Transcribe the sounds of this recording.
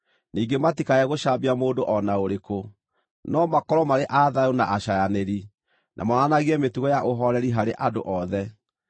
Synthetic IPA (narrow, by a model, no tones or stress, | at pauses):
niːɡematikaɛɣoʃabiamoːdoʔɔnaoɾeko | nɔmakɔɾɔmaɾeʔaðaonaʔaʃajaneɾi | nʔa̰mɔnanaɣiɛmetuɣɔjaʔoɦɔɾɛɾiɦaɾeʔado̰ʔɔðɛ